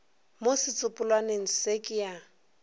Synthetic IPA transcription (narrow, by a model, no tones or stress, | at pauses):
mosɪt͡sʼʊpʼʊlwaneŋ̩sekʼɪja